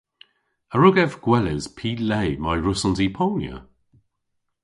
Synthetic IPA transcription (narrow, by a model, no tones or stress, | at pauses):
əɹʊɡɛvɡ̥wɛlɪz̥pʰiːlejmajɹʊsɔnzipʰɔːnjə̰